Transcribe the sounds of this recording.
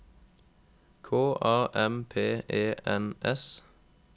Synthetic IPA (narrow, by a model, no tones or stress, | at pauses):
kʰoːʔɑːʔɛmpʰeːeːʔɛnʔɛs